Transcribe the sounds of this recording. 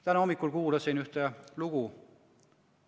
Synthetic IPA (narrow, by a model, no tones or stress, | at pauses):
t̪ænomːikːˑulkuːlɑsinyht̪eluɡ̥u